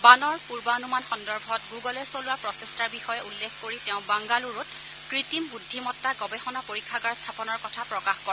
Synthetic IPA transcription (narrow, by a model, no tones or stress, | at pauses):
banɔɹpuɹbanumanxɔndɔɹbʱɔtɡuɡɔlɛsolʊwapɹɔsestaɹbixɔjɛulːekʰkoɹitɛʊ̃baŋɡaluɹʊt | kɹitimbudʱːimɔtːaɡɔbɛxɔnapoɹikʰːaɡaɹstʰapɔnɔɹkɔtʰapɹɔkaxkɔɹɛ